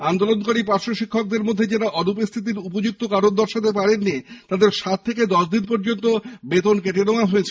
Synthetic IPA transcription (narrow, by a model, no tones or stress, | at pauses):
and̪olonkoɾipaɾʃoʃikʰːok̚d̪eɾmod̪ʱːed͡ʑeɾaʔɔnup̬ost̪ʰit̪̬iɾupod͡ʑuk̚t̪okaɾond̪ɔɾʃat̪epaɽenːit̪ad̪eɾʃat̪̚ʰːeked̪ɔʃd̪inpɔɾd͡ʑont̪obet̪onkeʈenoaɦoet͡ɕʰe